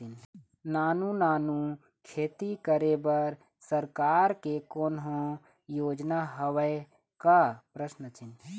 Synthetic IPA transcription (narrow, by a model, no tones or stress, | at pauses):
ɪn | naːnunaːnu | kʰeːt̪ikəɾebəɾ | səɾkaːɾkekoːnɦõ | joːd͡ʒnaɦəʋəj | kapɾəsnət͡ʃɪn